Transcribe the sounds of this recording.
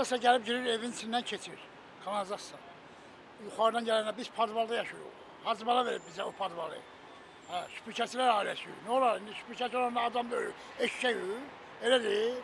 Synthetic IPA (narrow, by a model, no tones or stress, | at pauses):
ɑsɑɟælib̚ɟiɾiɾe̞vint͡ʃʰinːæncʰe̞t͡ʃʰiɾ | kʰɑnɑzɑsɑ | juχɑɾd̪ɑnɟælænd̪æbiz̥pʰɑd̪vɑlˠd̪ɑjɑʃuɾṵʁ | hɑzmɑlˠɑve̞ɾibbizæopʰɑd̪vɑlˠɯ̰ | hæʃy̥pʰucʰæt͡ʃʰilæɾɑːilæsyjy̰niolˠɑɾind̪iʃy̥pʰucʰæt͡ʃʰolˠɑɾnɑːd̪ɑmd̪ø̰ɾy̰ɾ | eʃʃæjy | elæd̪i